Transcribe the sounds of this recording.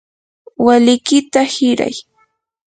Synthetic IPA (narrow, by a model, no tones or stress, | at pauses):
walɪkɪt̪ahɪɾa̰j